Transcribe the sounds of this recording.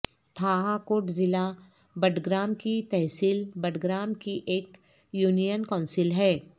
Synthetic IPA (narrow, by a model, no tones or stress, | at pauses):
t̪ʰaːɦakoːʈzɪla | bəʈʰɡɾaːn̚kit̪ɛɦsiːlbəʈɡɾaːn̚kiʔeːk | juːnijənkɔ̃ːnsɪlɦɛː